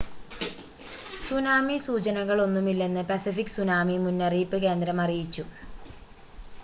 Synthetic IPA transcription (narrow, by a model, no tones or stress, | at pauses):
sunaːmisuːt͡ɕɐnɐɣɐɭo̞nːumilːe̞nːɨpɐsifikːsunaːmimunːɐrijipːɨke̞ːnd̪ɾɐmɐrijit͡ɕːu